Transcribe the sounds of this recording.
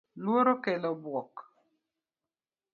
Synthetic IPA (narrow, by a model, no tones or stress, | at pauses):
lwoɾokɛlɔbwɔk